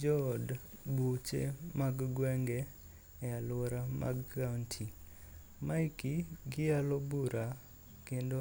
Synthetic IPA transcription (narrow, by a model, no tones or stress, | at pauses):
d͡ʒɔdbut͡ʃḛmaɡɡwɛŋɡɛ | ɛalwɔɾama̰ɡantʰi | maikiɡɪalobuɾa | kendo